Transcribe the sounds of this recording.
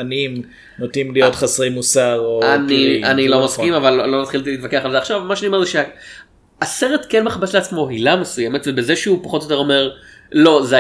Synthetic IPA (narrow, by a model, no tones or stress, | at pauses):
anim | notimlijot̪χasʁimusaʁoanianilo̞maskimavalːo̞mat̪χilt̪iliːt̪vakeaχalzeaχʃavmaʃaniomezeʃea | aseʁet̪kenmeχabesleat͡smo̞ɦilamesujemetvebezeʃeupaχo̞t̪ojote̞ʁo̞me̞ʁ | lo̞ze